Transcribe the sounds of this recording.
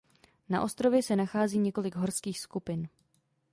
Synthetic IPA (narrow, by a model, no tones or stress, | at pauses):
na̰ʔo̞st̪ɾo̞vjɛsɛnaxaːziːɲɛko̞lɪɡɦo̞ɾskiːxskupɪn